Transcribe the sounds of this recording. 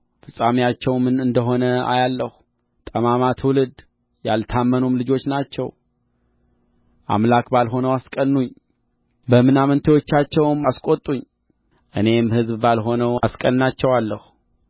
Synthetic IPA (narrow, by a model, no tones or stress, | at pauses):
fɨsʼamijat͡ʃːɛwmɨnɨnd̪əɦo̞nəa̰jalːəhu | t̪ʼəmamat̪ʰwulɨd̪ | ja̰lt̪ʰamːənumlɨd͡ʒo̞t͡ʃːnat͡ʃːɛw | ʔa̰mlakbalɦo̞nəwaskʼənːuɲː | bəmɨnamənt̪ʰewo̞t͡ʃːat͡ʃːɛwmaskʼot̪ʼːuɲ | ʔɨne̞mhɨzbbalɦo̞nəwaskʼənːat͡ʃːɛwalːəhu